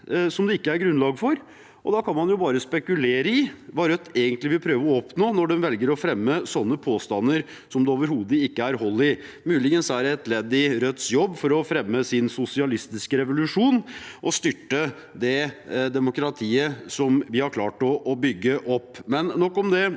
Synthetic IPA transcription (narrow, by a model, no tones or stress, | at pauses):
sɔmd̪ɛɪkːəæɾɡɾʉnlɑːɡfɔɾ | ʔɔd̪ɑkʰɑnmɑnjʊbɑːɾəspɛkʉleːɾəɪʋɑɾœt̪ʰːeːɡənt̪lɪʋɪlpʰɾøːʋəɔɔpnoːnɔɖɛnʋɛlɡəɾɔfɾɛmːəsɔnːəpʰoːst̪ɑnːəɾ | sɔmd̪ɛoːʋəɾɦuːd̪əɪkːəæɾɦɔlːɪ | mʉːlɪɡənsæɾɛt̪lɛd̪ɪɾœt̪ːsjɔbːfɔɾɔfɾɛmːəsɪnsʊsɪɑlɪst̪ɪskəɾɛʋʊlʉʂuːnʔɔst̪ʏʈːə | d̪ɛd̪ɛmʊkɾɑt̪ʰiːəsɔmʋɪhɑɾkʰlɑːʈɔʔːbʏɡːəʔɔpːmɛnːɔkːɔmd̪ɛ